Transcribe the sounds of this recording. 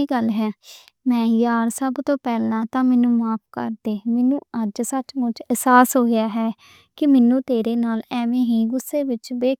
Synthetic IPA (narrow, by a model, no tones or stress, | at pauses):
iːɡəlɦɛː | mɛ̃ːjaːɾsəbt̪õːpɛːlãːt̪ãːmɛːnũːmaːpʰkə̰ɾd̪eːmeːnũːəd͡ʒsət͡ʃmʊ̃t͡ʃəsaːsɦoːɡɪjaːɦɛː | kɪmɛːnũːt̪eːɾeːnaːlɛːʋẽːɦiːɡʊsːeːʋɪt͡ʃbeː